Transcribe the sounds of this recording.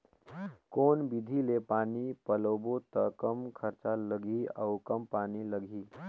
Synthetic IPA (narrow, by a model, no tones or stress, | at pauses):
koːnbɪd̪ʱilepaːnipəlobot̪əkəmkʰəɾt͡ʃaləɡʱiə̰ʊkəmpaːniləɡʱiː